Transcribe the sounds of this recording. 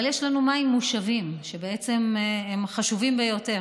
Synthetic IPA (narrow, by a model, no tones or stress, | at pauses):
ljeʃlanumaimːuʃavimʃe̞beet͡se̞memχaʃuvimbejo̞te̞